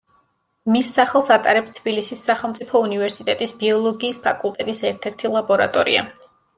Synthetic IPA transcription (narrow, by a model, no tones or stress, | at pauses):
misːaχɛlˠsat̪ʼa̰ɾɛpst̪ʰbilisisːaχɛlˠmt̪sʼipʰɔunivɛɾsit̪ʼɛt̪ʼisbiɔlˠɔɡiːspʰa̰kʼulˠt̪ʼɛt̪ʼisɛɾt̪ʰɛɾt̪ʰilˠabɔɾa̰t̪ʼɔɾḭa̰